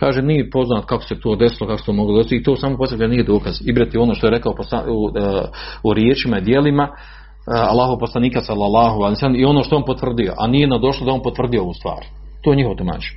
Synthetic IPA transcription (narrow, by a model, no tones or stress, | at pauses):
kaːʒenijepo̞znaːt̪kako̥se̞t̪o̞ːd̪esilokakost̪oːmoɡlod̪est̪iit̪oːsaːmoposekanijed̪o̞ːkaz̥ibɾat̪io̞noːʃt̪o̞e̞ɾe̞kaoposa̰ | uɾjeːt͡ʃimaid̪je̞lima | alˠːaːɦooposlˠaniːkasalːalːaːɦoaliosɛlːemio̞noːʃt̪o̞onpot̪ʋr̩d̪ijo̞̰ʔa̰nijenad̪o̞ʃlˠod̪ao̞npot̪ʋr̩d̪ijo̞oʋuːst̪ʋa̰ːɾ | t̪oːjeɲihɦot̪oma̰ːt͡ʃe̥